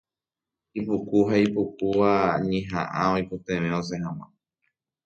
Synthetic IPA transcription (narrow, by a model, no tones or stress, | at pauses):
ipukuɦaipukuʋaɲẽɦã̰ʔãojpot̪ẽʋẽõs̬eɦãw̃ã̰